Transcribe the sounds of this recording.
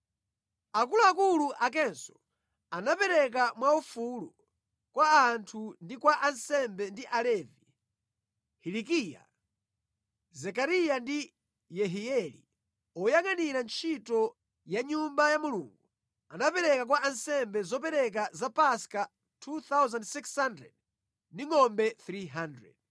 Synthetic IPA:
ak̬uluakuluʔak̬ɛnsɔ̥ | anapɛɾɛk̬amwaufulɔ | kwaːntʰundikwaʔansɛmbɛndiʔalɛvi | hilikija̰ | zɛkaɾijandi | jɛɦiɛlḭ | ɔjaŋaniɾant͡ʃʰitɔ | jaɲumbajamulṵːŋɡu | anapɛɾɛkak̬waʔansɛmbɛzɔp̬ɛɾɛk̬azapaska | tʰuθawzandsikshandɾɛ̰d̚ | ndiŋɔmbɛθɾiɦandɹɛ̰d̥

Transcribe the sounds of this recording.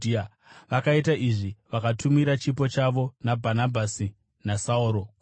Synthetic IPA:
ia | ʋakaitaʔiʐiʋakatʰumiɾat͡ʃipo̞t͡ʃaʋo̞nabʱanabʱasi | nasauɾo̞k

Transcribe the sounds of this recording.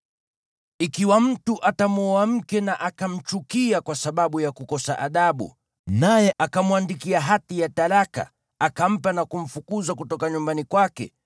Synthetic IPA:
ikiwam̩tuʔatamɔam̩kɛnaʔakam̩t͡ʃukiakwasaɓaɓujakukɔsa̰ʔaɗaɓṵ | najɛʔakamwandikiaɦatijataɾaka̰ | akam̩panakum̩fukuzakutɔkaɲumbanikwakɛ̰

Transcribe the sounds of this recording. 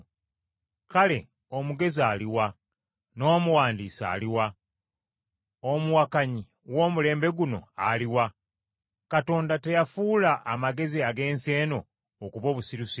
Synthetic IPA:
kale̞ | omuɡe̞zialiwa | no̞ːmuwaːndiːsa̰ːliwa | omuwakaɲi | wo̞ːmule̞ːmbe̞ɡuno̞̰aliwa | kato̞ːndate̞jafuːlaʔːmaɡe̞ziaɡe̞ːnse̞ːno̞ː | kuβo̞ːβusiɾusi

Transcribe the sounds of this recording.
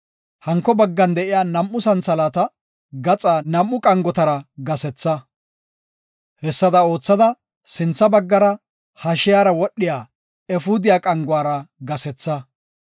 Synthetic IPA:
hɐŋkːɔbɐɡːɐnd̪ɛʔɪjaːnɐmʔːʊsɐnsɐlaːt̪ɐ | ɡɐt͡sʼaːnɐmːʊkʼɐŋɡɔt̪ɐɾɐɡɐsɛt͡sːɐ | hɛsːɐd̪ɐo̞ːt͡sːɐd̪ɐ | sɪnt͡sːɐbɐɡːɐɾɐ | hɐʃɪjaːɾɐwɔɗːɪjaː | ɛfuːd̪ɪjaːkʼɐŋɡʊaːɾɐɡɐsɛt͡sːɐ

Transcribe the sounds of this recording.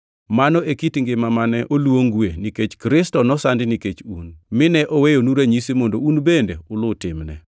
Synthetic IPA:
manɔʔekitŋɡɪmamanɛʔolwoŋɡweniket͡ʃkɾɪstɔnɔsandɪniket͡ʃunmɪnɛʔowejonuɾeɲisimondounbendḛʊlʊtɪmnɛ̰

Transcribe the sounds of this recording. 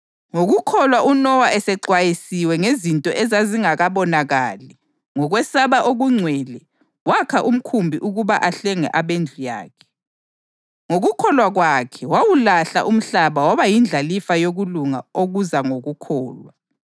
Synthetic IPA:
ŋoɣukʰɔlwaʔunɔwaʔɛsɛǀwajisiwɛŋezintʼɔʔɛzaziŋaɣaβɔnaɣaːlɛ | ŋɔɣwɛsaβaʔoɣuŋ͡ǀʱwɛlɛ | wakʰaʔum̩kʰumbʱiʔuɣuβaʔaɬɛŋɛ̰ʔaβend͡ɮʱuja̰ːkʰɛ̥ | ŋoɣukʰɔlwaɣwakʰɛwawulaɬa̰ʔum̩ɬaβawaβajind͡ɮʱalifajoɣuluŋa̰oɣuzaŋoɣukʰɔːlwa

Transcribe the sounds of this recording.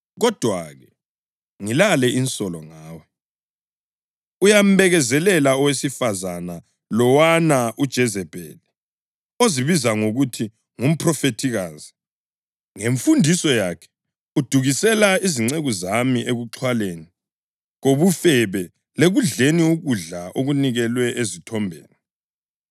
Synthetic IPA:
ɣɔd̥ʱwa̰ɣɛ | ŋilalɛinsʼɔlɔŋaːwɛ | ujam̩βɛɣɛzɛlɛlaɔwesifazana | lɔwanaʔud̥ʒ̥ʱɛzɛb̥ʱɛ̰lɛ | oziβizaŋoɣutʰi | ŋum̩pʰrɔfetʰiɣaːzi | ŋeɱfundʱisɔjakʰɛ̥ | ud̥ʱuɣisɛlaiziŋ͡ǀeɣuzamiʔeɣuǁʰwaleːni | ɣoβufɛβɛ | leɣuɮeniwuɣuɮaʔoɣuniɣɛlwɛʔezitʰɔmbʱḛːnɛ

